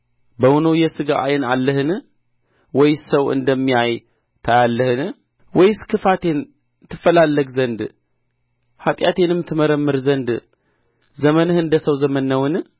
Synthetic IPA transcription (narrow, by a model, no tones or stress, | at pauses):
bəwnojɛsɨɡaʔajɨnalːəhɨn | wɔjsəwɨ̰nd̪əmːiaj | t̪ʰajalːəhɨn | wɔjskʰɨfat̪ʰe̞n | t̪ʰːɨfːəlalːəɡzənd̪ | hat̪ʼjat̪ʰenɨmt̪ʰɨmɐɾəmːɨɾzɐnd̪ | zɐmənɨhɨnd̪əsəwzɐmənːɐwɨn